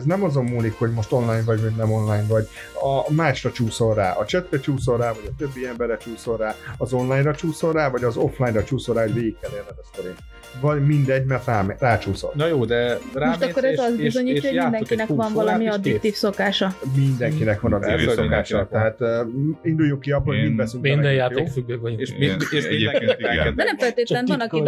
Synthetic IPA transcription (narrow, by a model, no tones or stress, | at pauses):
znɛmɒzo̞mːuːlikho̞ɟmo̞ʃt̪o̞nlaːjnvɒɟɦoɟnɛmo̞nlaːjnvɒɟ | ɒmaːʃrɒt͡ʃuːso̞lraːʔɒt͡ʃɛt̪rɛt͡ʃuːso̞lraːvɒɟɒt̪øbːiɛmbɛɾɛt͡ʃuːso̞rːaːɒzo̞nlaːjnrɒt͡ʃuːso̞rːaːvɒɟɒzo̞flaːjnrɒt͡ʃuːso̞lɾaːɦo̞ɟveːɡikːɛlːeːrnɛnɛst̪ɛɾeːn | vɒɟmind̪ɛɟmɛrt̪raːmraːt͡ʃuːso̰lnjoːd̪ɛɾmoʃkːoɾɛzɒzizo̞ɲiːcːɔoɟid̪ɛŋkinɛkvɒnvɒlɒmiɒd̪it̪ːiːfso̞kaːʃɒmind̪ɛŋkinɛkvɒnɒd̪ḭisokaːʃɔt̪ɛɦaːt̪ːind̪ujːuŋkiɒbolhoɟmind̪bɛsyŋmɛd̪ɛjaːtj̪efyɡbekvɔueʃi | d̪ɛnɛmfɛlt̪eːt̪lɛnvɔnɒki